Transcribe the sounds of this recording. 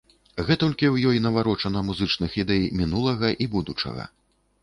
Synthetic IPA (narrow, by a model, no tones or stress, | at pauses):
ɣɛt̪ɔlʲkʲiwjɔjnɐvaɾɔt͡ʂɐnɐmuzɨt͡ʂnɨxid̪ɛjmʲinulˠɐɣɐʔibud̪ut͡ʂɐ̰ɣɐ̰